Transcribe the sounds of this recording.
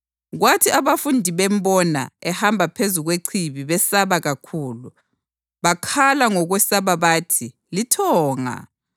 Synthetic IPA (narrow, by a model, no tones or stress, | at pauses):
ɣwatʰiaβafundʱiβɛmbɔna̰ɛhambʱapʰezuɣweǀʰiβiβɛsaβaɣakʰuːlu | βakʰalaŋɔɣwɛsaβaβaːtʰi | litʰɔːŋa̰